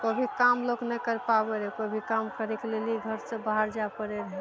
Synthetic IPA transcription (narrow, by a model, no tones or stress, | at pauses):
kobʱikamloknɛkəɾpabeɾɛkobʱikamkəɾekleliɡʱəɾsẽbaɦaɾd͡ʒapəɾeɾəɦɛ